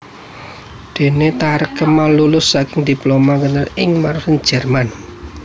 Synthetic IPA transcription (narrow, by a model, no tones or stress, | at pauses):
d̪̥e̤net̪aɾəkəmalulʊsːakɪŋd̪̥i̤plomakənərɪŋmaɾusən̥d͡ʒ̥ɛ̤rman